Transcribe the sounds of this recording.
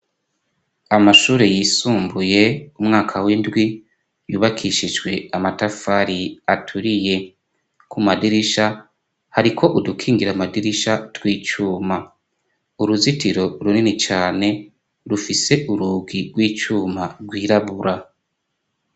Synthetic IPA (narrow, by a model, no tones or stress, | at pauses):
amaʃuːɾe̞jiːsuːmbuje̞umŋaːkʰawindɡwi | juːβakʰiʃid͡ʒɡwe̞amatafaɾiatʰuɾije̞ | kʰumadiɾiʃa | haɾikʰo̞ʔudukʰiːŋɡiɾamadiɾiʃatwiːt͡ʃuːma | uɾuzitiɾo̞ɾuninit͡ʃaːne̞ | ɾufise̞ʔuɾuːɡiɡwiːt͡ʃuːmaɡwiːɾaβuɾa